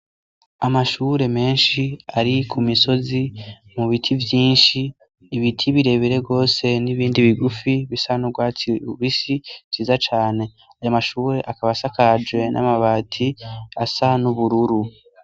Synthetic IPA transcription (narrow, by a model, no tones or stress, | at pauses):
amaʃuːɾe̞me̞ːnʃiaɾikʰumiso̞zi | muβitʰivjiːnʃiː | βitʰiβiɾe̞βiɾe̞bɡo̞ːse̞niβiːndiβiɡufiβisanuɡwaːt͡siuβisit͡ʃiːzat͡ʃaːne̞ | ajamaʃuːɾe̞ʔakaβasakad͡ʒɡwe̞nʔa̰maβatʰiasanuβuɾuɾu